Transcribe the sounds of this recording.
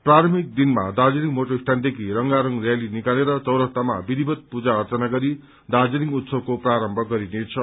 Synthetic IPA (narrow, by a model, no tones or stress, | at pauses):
praɾʌmik̚d̪inmad̪ad͡ziliŋmoʈoisʈʰand̪ekʰiɾʌŋɡaɾʌŋrjalinikaleɾʌt͡sʌwɾʌt̪ama̰bid̪ʱibʱʌt̪̚pud͡zaʌrt͡sʌnaɡʌɾi | d̪ad͡ziɾiŋut̪sʌb̚kopraɾʌmbʱʌɡʌɾinet͡sʰʌ